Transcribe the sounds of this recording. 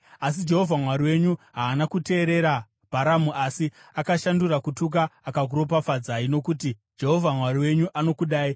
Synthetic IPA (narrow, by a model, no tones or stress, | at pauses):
as̬id͡ʒe̞ɦo̞vʱamwaɾiwe̞ɲuɦaːnakute̞ːɾe̞ɾa | b̥ʱaɾamuʔasiakaʃandurakutuk̬aːkaɡʱuɾo̞p̬afad͡zaino̞kuːti | d͡ʒe̞ɦo̞vʱamwariwe̞ɲuʔano̞kuɗaːi